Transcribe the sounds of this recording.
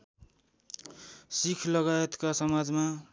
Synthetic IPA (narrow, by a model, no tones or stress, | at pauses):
sikʰlʌɡaet̪kasʌmad͡zma